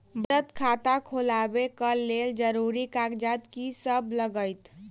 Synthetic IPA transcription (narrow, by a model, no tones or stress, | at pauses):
bɾət̪kʰat̪akʰolabekəleld͡ʒəɾuɾikaɡd͡ʒat̪kisəbʱləɡəjt̪